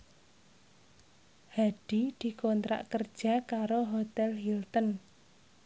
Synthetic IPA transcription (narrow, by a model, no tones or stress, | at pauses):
haɖ̥i̤d̪̥i̤kont̪ɾa̰ʔkərd̥ʒ̥a̤kaɾoɦot̪ɛlhilt̪ən